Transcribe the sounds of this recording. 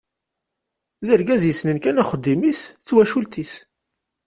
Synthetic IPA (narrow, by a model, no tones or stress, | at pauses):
ðəɾɡæzjəsnənkænaχəd̪ːimist͡sːwæʃult̪is